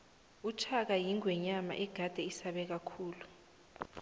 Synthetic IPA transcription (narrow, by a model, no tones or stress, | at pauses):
ut͡ʃʰak̬ajiŋwɛɲama̰ʔɛɡ̥ʱad̥ʱɛisaɓɛk̬akʰuːlu